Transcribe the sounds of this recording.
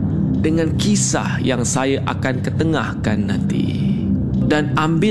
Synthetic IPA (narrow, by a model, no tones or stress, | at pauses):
dəŋãnkisa̰hjaŋsajaʔa̰kankət̪əŋahkanːãnt̪ḭ | danambɪ